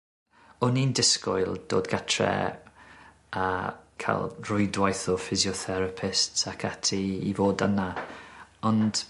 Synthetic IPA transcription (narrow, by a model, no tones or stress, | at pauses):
ɔnindɪskɔ̰jlˠd̥o̰ːdɡatʰrɛ̰ | akʰa̰lˠrʊjdwajθɔfɪzjɔθɛɾapʰɪstsakʰatʰiḭvoːdəna | ɔnd̥